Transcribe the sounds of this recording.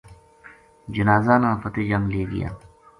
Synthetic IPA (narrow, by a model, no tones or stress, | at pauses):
d͡ʒɪnaːzaːnãːpət̪ed͡ʒɐmleːɡḭja̰